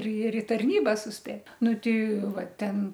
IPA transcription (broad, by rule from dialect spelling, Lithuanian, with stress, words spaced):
ɪr ɪr ɪ tɐrʲˈnʲiːbɐ sʊsʲˈpʲeːt ˈnʊ ˈtʲɛɪ ˈʋɐ ˈtʲɛn